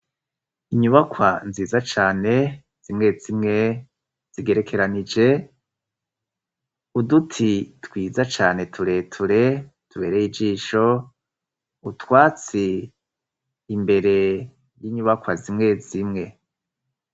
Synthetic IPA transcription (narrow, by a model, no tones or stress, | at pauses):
iɲuβakwanziːzat͡ʃaːne̞ | z̥imŋe̞zimŋe̞ | z̥iɡe̞ɾe̞kʰe̞ɾanid͡ʒe̞ | udutʰitwiːzat͡ʃaːne̞tʰuɾe̞ːtʰuɾe̞ | tʰuβe̞ːɾejid͡ʒiːʃo̞ | utwaːt͡si | mbe̞ɾe̞ | jiɲuβakwazimŋe̞zimŋe̞